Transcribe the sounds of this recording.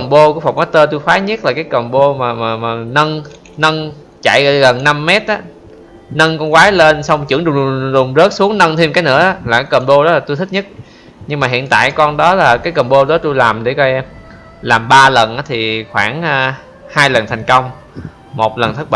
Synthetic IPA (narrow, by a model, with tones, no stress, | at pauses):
kə˨˩mɓo˧ku˧˥əfa˨˩k͡p̚maː˨˥t̪əː˧t̪̬u˧jfaː˨˦ɲə˦˥t̚laː˨˩kaː˨˦jkə˨˩mɓo˧maː˨˩maː˨˩maː˨˩nə˧n | nə˧n | t͡ɕa̰˧˨jɣə˧˩ɣə˨˩nːa˧mːɛ˦˥t̚ʔaː˨˦ | nə˧nkɔ˧nkwaː˨˦le˧nsɔ˧wŋ͡mt͡ɕɨ˧˥əŋɗʊ˨˩ɗɗʊ˨˩ŋ͡mzəː˦˥t̚su˨˦əŋnə˧nt̪ʰi˧mkaː˨˦jnɨ̰˧˥əɔ˨˦laː˨˩kaː˨˦jkə˨˩nɓo˧ɗɔ˨˦laː˨˩t̪u˧jt̪̚ʰɲə˦˥t̚ | ɲɨ˧ŋmaː˨˩ɦḭ˧˨ənt̪a̰ː˧˨jkɔ˧nɗɔ˨˦laː˨˩kaː˨˦jkə˨˩nɓo˧ɗɔ˨˦t̪u˧jlaː˨˩mɗe˧˩kɔ˧ɛ˧m | laː˨˩mɓaː˧lə˨˩nʔaː˨˦t̪ʰi˨˩xwaː˧˩ŋː˧ | haː˧jlə˨˩nt̪ʰɛ˨˩jŋ̟kə˧wŋ͡m | mo˨˩t̚lə˨˩nt̪̚ʰɓa̰˧˨